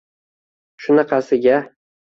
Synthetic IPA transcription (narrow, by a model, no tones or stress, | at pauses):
ʃʊnɑqʰɑsɪɡʲa